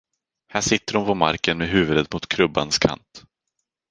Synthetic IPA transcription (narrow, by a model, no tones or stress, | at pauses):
hæːʂɪt̪ːəɾʊmpʰɔma̰ɾkənmeɦʉ̟ːvɵd̪ət̪mʊt̪kʰɾɵbːa̰nskʰa̰nt̪